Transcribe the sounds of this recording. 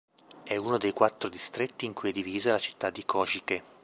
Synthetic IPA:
ɛunod̪ejkwat̪ːɾod̪ist̪ɾet̪ːiːŋkujɛd̪ːiviːzalat͡ʃi̥t̪ːad̪ːikʰɔːʃike

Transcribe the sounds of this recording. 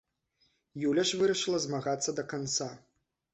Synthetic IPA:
julʲɐʂvɨɾɐʂɨlˠɐzmaɣat̪sːɐd̪ɐkant̪sa

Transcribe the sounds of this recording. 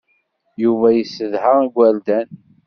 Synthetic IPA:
juvæjəsːəðhəʁæɡʷæld̪æn

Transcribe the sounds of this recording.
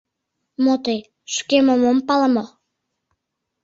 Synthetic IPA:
mot̪ej | ʃkemomompɑləmo

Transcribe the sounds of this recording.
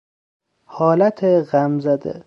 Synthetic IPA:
hɒːlæt̪ʰeɣæmzæd̪ḛ

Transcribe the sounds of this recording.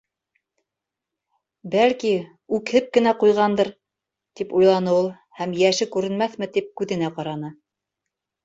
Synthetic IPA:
bælki | ʉkhɘp̚kɘ̆næqujʁɑnd̪ɤɾ | t̪ipujlˠɑnɤulˠ | hæmjæʃɘkʉɾɘ̆nmæθmɘt̪ip̚kʉðɘ̆næqɑɾɑnɤ

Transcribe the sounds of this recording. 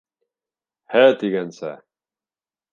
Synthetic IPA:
hæt̪iɡænsæ̰

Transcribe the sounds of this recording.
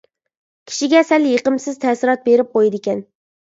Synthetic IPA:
kʲʰi̥ʃiɡʲɛsɛljeqəmsɪz̥t̪ʰɛsɪɾɑt̪̚beɾɪp̚qʰojid̪ɪkʲɛn

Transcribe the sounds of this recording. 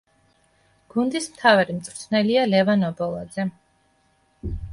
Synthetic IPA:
ɡ̥und̪ismt̪ʰavaɾimt̪sʼvɾt̪ʰnɛlialɛvanɔbɔlˠad̪zɛ

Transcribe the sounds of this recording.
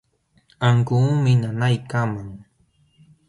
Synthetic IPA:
aŋkuːmɪnanajkamaŋ

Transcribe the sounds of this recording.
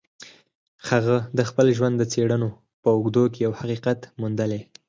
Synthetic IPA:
haɣəd̪əxpəlʒwand̪ːət͡seɽəno | pəʊɡd̪ok̬ejawhaqiqat̪mund̪əle

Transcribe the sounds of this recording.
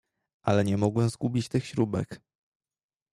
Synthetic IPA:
ʔalɛɲɛmɔɡwɛmzɡubʲit͡ɕt̪ɘxɕɾubɛ̰k

